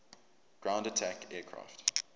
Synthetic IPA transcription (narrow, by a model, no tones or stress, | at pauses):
ɡ̥ɹãʊ̃ndətʰækɛːkʰɹa̰ːˑft